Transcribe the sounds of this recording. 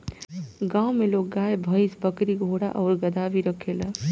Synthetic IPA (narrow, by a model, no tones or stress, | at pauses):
ɡãwmelok̚ɡajbʱəjsbəkɾiɡʱoɽa̰ʔɔːɾɡəd̪abiɾəkʰelə